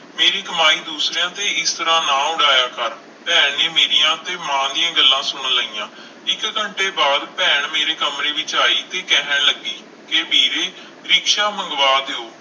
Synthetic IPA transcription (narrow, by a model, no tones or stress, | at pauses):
meːɾiːkəmaːiːd̪uːsɾejãːt̪eːɪst̪əɾãːnãːʊɽaːjaːkəɾ | pɛːneːmeːɾijãːt̪eːmãːd̪ɪjãːɡəlːãːsʊɳ̃ləijãː | ɪkkəɳʈeːbaːd̪pɛːɳmeːɾeːkəmɾeːʋɪt͡ʃaːiːt̪eːkɛːɦəɳləɡiː | kebʱiːɾeː | ɾɪkʃaːməŋɡʋaːd̪eːoː